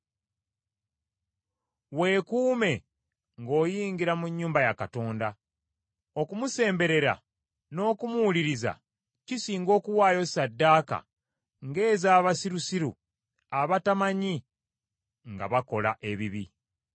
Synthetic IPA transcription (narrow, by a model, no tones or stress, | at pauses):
we̞ːkuːme̞ | ŋɡo̞ːjiːɲɡiɾamuɲːuːmbajakato̞ːnda | o̞kumuse̞ːmbe̞ɾe̞ɾa̰ | no̞ːkumuuliɾiza̰ | cisiːŋɡo̞ːkuwaːjo̞sadːaːka̰ | ŋɡe̞ːzaːβasiɾusiɾṵ | aβatamaɲi | ŋɡa̰βako̞la̰ʔe̞βiβi